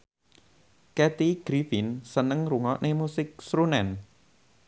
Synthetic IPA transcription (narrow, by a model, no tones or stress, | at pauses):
kɛt̪iɡ̥ɾifɪnsənəŋruŋɔʔnʔemusɪk̚sɾunɛn